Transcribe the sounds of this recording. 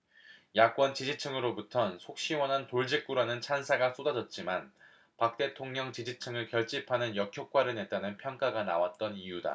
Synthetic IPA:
jak͈wʌnt͡ɕid͡ʑit͡ɕʰɯŋɯɾobutʰʌnsʰok̚ɕ͈iwʌnɦantoɭd͡ʑik̚k͈uɾanɯnt͡ɕʰansʰaɡas͈odad͡ʑʌt̚t͡ɕ͈iman | pak̚t͈e̞tʰoŋɲʌŋt͡ɕid͡ʑit͡ɕʰɯŋɯɭkjʌɭt͡ɕ͈ipʰanɯnjʌkʰjok̚k͈waɾɯne̞t̚t͈anɯnpʰjʌŋk͈aɡana̰wat̚t͈ʌnijuda̰

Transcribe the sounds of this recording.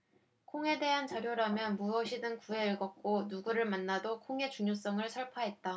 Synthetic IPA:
kʰoŋe̞de̞ɦant͡ɕaɾjoɾamjʌnmuʌɕʰidɯŋkue̞ɭɡʌk̚k͈onuɡuɾɯɭmanːadokʰoŋe̞t͡ɕuŋɲos͈ʌŋɯɭsʰʌɭpʰaɦe̞t̚t͈a

